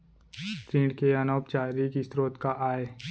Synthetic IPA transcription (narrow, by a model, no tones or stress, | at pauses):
t̪ɾĩːɳɖkeɐnoːp̚t͡ʃaːɾikisɾoːt̪kaʔaːeː